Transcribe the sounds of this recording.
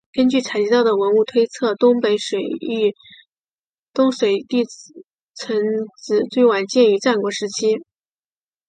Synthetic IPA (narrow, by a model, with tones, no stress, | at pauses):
kə˥nt͡ɕy˥˩t͡sʰa˨˩ɪt͡ɕi˧˥t̪ɑ˥˩ʊd̪ə˩wə˧˥nu˥˩t̪ʰwe˥ɪt͡sʰɤ˥˩t̪ʊ˥ŋpe˧˥ɪʂwe˨˩ɪ˥˧ | t̪ʊ˥ŋʂwe˨˩ɪt̪i˥˩ | t͡sʰə˧˥ŋt͡sɹ̩˨˧˩t͡swe˥˩ɪwa˨˩nt͡ɕjɛ˥˧ny˧˥ʈ͡ʂa˥˩nkwɔ˧˥ʂɻ̩˧˥t͡ɕʰi˥